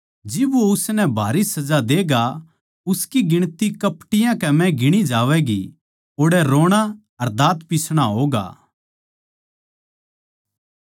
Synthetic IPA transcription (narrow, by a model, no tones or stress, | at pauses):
d͡ʒɪboʊsnɛbʱaːɾisɐd͡ʒad̪eːɡa | ʊskiɡɪɽ̃t̪ikɐpʈɪjãkɛmɛ̃ɡɪɽ̃id͡ʒaːʋɛɡi | oːɽɛɾoːɽ̃a | ɐɾd̪aːt̪pisɽ̃aɦoːɡa̰ː